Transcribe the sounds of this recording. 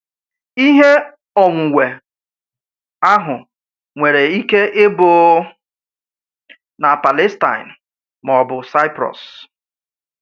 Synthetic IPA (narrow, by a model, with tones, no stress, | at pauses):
i˦ɦe˦ | ɔ˨ŋʷu˨we˨ | a˦ɦʊ˨ | ŋʷe˨ɾe˨i˦ke˦ʔe˦boː˨ | na˨pa˨le˦sta̰˨ɪ˨n | m˨ɔ˨bʊ˨sa˦ɪ˦pɾɔ̰˨s